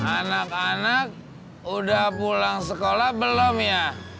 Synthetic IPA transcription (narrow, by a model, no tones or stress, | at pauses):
anakanak̚ | udahpulaŋsəkolahbəlɔmja